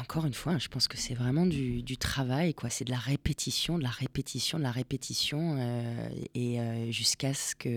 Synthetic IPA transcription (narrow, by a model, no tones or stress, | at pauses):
ɑ̃kʰɔʁynfwaʒəpɑ̃skə̥sɛvʁɛmɑ̃d̪yd̪yt̪χavajkwasɛd̪əlaʁepet̪ʰisjɔ̃d̪əlaʁepet̪ʰisjɔ̃d̪əlaʁepet̪ʰisjɔ̃øeøʒyskaskʰə